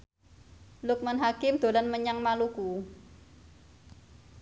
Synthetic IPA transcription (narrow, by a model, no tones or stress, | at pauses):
lʊk̚manɦakɪmd̪̥o̤lanməɲaŋmaluku